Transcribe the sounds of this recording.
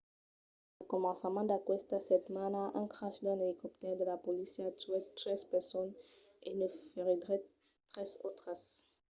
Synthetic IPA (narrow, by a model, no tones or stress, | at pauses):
ləkɔmɑ̃səmɑ̃d̪akwɛst̪asɛt̪manaʔɛ̃kχaʃd̪ɛ̃nelikɔp̚t̪ɛʁd̪əlapɔlisat̪yɛt̪χɛzpɛʁsɔnḛnəfeʁid̪ʁɛ | t̪χɛzot̪χas